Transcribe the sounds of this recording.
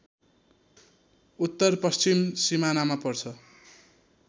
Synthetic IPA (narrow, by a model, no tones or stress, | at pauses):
ut̪ːʌrpʌst͡simsimanamapʌrt͡sʰʌ